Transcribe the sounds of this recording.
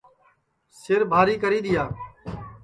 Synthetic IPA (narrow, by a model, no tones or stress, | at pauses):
sɪɾbʱaːɾiːkəɾiːɗ̪ɪjaː